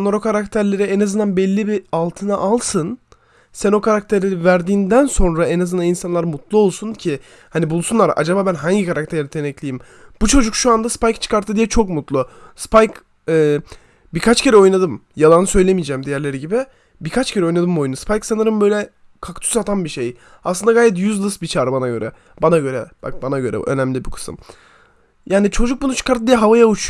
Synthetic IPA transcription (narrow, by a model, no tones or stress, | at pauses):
nˠaɾo̞kʰaɾakt̪ʰæɾlʲe̞ɾiɛnazɯnd̪anbɛlʲːibialˠt̪ʰɯnaʔalˠsɯn | sæno̞kʰaɾak̚t̪ʰeɾivæɾd̪iːnd̪ænso̞nɾaɛnazɯnd̪aninsanlˠaɾmut̪ʰlˠuo̞lˠsuncʰɪ | hanibulˠsunlˠaɾʔa̰d͡ʒabaːbænɦaɲɟikʰaɾak̚t̪ʰeɾɾɛt̪ʰenɛclʲijim | b̥ut͡ʃʰo̞d͡ʒukʃuand̪aspajkt͡ʃʰɯ̥kaɾt̪ʰːɯd̪ijɛt͡ʃʰo̞kmut̪lˠʊspajk | ɛː | biɾkʰat͡ʃcʰe̞ɾɛo̞jnad̪ɯm | jalˠanɯsø̞jlʲemijd͡ʒɛːmd̪ejæɾlʲe̞ɾiɟibɪ | biɾkʰat͡ʃcʰeɾɛo̞jnad̪ɯmbo̞junuspʰajksanɯɾɯmbø̞jlʲɛ | kʰakt̪ʰy̥sat̪ʰanbiʃej | aslˠɯnd̪aɡaːjɛt̪̬jyzlˠɯsbit͡ʃʰaːɾɯbanaɟø̞ɾʔɛ̰ | banaɟøɾɛb̥a̰k̚banaɟø̞ɾɛ̰ø̰næmlʲibikʰɯ̥sɯ̰m | jaːnit͡ʃʰo̞d͡ʒuk̚bunut͡ʃʰɯ̥kaɾt̪ʰːɯd̪ijɛɦavajaut͡ʃʰ